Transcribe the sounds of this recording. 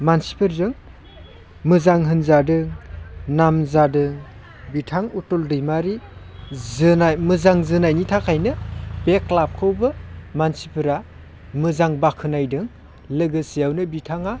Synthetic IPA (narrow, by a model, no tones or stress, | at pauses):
mansi̥pʰɯɾzɯŋ | mɯzaŋɦɯnzadɯŋnamzadɯŋ | bitʰaŋutɔldɯjmaɾi | zɯnamɯzaŋzɯnajnitʰakʰajnɯbeklap̚kʰɯwbɯmansipʰɯɾa | mɯzaŋbakʰɯnajdɯŋ | lɯɡɯsijawnɯbitʰaŋa